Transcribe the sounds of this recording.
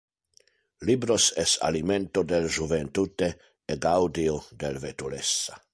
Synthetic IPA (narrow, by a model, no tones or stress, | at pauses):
libɾosɛsa̰liment̪od̪elʒuvent̪ut̪eː | ɡawd̪iod̪elvet̪ulesːa